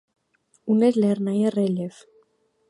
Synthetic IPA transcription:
unezlernajereleθ

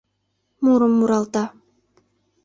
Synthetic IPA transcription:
muɾumːuɾɑlˠt̪a

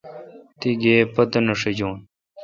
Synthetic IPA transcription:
t̪iɡeːpɐt̪ɐnɐʂed͡ʑoːn

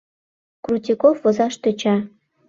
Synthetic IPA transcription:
krut̪ʲikofvɤ̆zɑʃt̪ø̆t͡ɕɑ

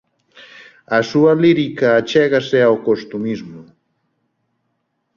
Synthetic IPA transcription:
asualiɾikaːt͡ʃeɣaseawkost̪umizmo

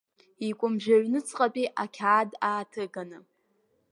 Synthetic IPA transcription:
ikʷʼʊmʒᶣaɥnɨt͡sʰʼqʼapʼiʔakʲʰaːdaːtʰɨɡanɨ

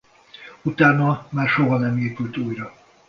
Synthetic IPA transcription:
ut̪aːnɒmaːrʃoɦɒnɛmeːpylt̪uːjrɒ

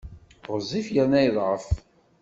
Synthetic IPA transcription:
ʁzˤifjænæjðˤʁəf

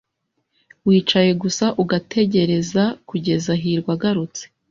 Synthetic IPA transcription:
wiːt͡ʃaje̞ɡusaʔuɡatʰe̞ɟe̞ɾe̞zakuɟe̞zaɦiːɾɡwaɡaɾut͡se̥

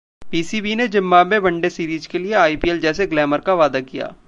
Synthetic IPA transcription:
piːsibined͡ʒɪmːamẽbɐ̃ɳɖesiːɾiːd͡ʒkelieaːipiːɛld͡ʒɛːseɡlɛːməɾkaʋaːd̪akija̰ː

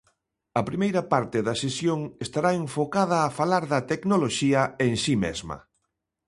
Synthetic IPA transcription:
ɐpɾimejɾɐpaɾt̪ɪðɐsesjoŋest̪aɾaeɱfokað̞ɐːfalaɾðɐt̪eknoloʃiɐeŋsimḛzmɐ̰

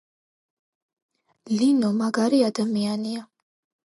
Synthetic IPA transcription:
linɔmaɡaɾiad̪amiania

